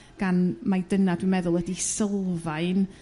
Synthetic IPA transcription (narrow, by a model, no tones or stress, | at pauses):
ɡ̥anmajdənadumɛðʊlˠədisəlˠvajn